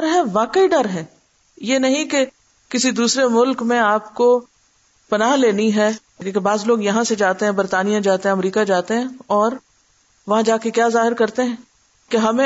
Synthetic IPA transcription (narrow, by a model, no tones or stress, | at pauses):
ɐɾɦɛ̃ʋaːkəiɖɐɾɦɛ̃ː | jeːnɐɦĩke | kɪsid̪uːsɾemʊlkmẽaːpko | pɐnaːɦleːniɦɛ̃ː | kebaːzloːɡjɐɦãsed͡ʒaːt̪eɦɛ̃bɐɾt̪aːnijãd͡ʒaːt̪eɦɛ̃ɐmɾiːkad͡ʒaːt̪eɦɛ̃ɔːɾ | ʋɐɦãd͡ʒaːkekjaːzaːɦɪɾkɐɾt̪eɦɛ̃ː | keɦɐmẽ